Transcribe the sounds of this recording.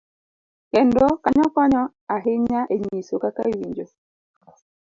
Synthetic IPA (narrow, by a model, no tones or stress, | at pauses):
kɛndɔkaɲɔkɔɲɔ | aɦɪɲaʔeɲisokakawiɲd͡ʒo